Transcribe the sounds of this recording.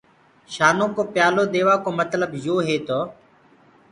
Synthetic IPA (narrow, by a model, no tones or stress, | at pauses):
ʃaːnõːkoːpjaːloːd̪eːʋaːkoːmət̪ləbjoːɦeːt̪oː